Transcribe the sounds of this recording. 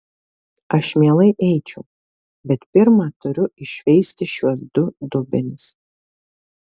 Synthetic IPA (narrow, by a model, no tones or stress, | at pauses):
ɐʃmʲiɛlˠɐɪʔɛɪt͡ʃʲɛʊ | bʲɛt̪pʲɪɾmɑːt̪ʊɾʲʊɪʃʲʋʲɛɪsʲt̪ʲɪʃʲuɔsd̪ʊd̪ʊbʲɪnʲɪs